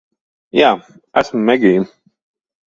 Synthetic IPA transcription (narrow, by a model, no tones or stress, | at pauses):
jaː | æ̰smmɛɡʲiːn